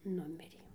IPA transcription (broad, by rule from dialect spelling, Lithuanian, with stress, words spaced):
ˈnʊmʲɪrʲeː